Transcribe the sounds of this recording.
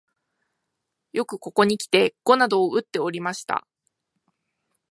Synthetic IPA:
jo̞kɯ̟ko̞ko̞ɲ̟ikʲi̥t̪e̞ɡ̥o̞nad̪o̞ːɯ̟t̪ːe̞o̞ɾʲimaɕi̥t̪a̰

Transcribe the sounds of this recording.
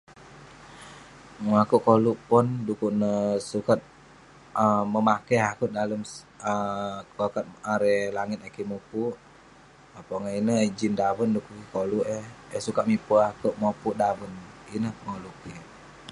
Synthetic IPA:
akuʔkoluʔpɔndukuʔnəsukat̪̚ | əməmakeɦakuʔ̚daləm | əkakat̪̚aɾɛlaŋɪt̪̚akimupuʔ | apɔŋainəid͡ʒindawəndukuʔkikoluʔɛesukat̪ʔ̪̚mipuakuʔmopuʔdawəninəhpəŋoluki

